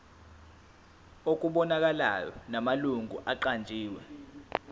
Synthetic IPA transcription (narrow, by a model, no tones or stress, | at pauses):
ok̬ʼuɓɔnak̬ala̰jɔ̰namaluŋʱṵʔaǃand͡ʒʱiːwɛ̰